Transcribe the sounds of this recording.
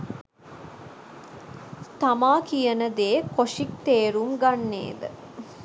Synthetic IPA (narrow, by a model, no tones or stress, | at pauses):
t̪amaːkijənəd̪eːkoʂik̚t̪eːɾumɡanːḛːd̪ə̰